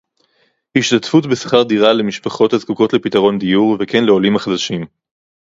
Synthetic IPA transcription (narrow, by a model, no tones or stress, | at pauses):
hiʃtatfutbesḁχaʁd̪iʁale̞miʃpaχo̞thazkuko̞tle̞pitaʁo̞nd̪ijuʁvekenle̞o̞limaχad̪aʃim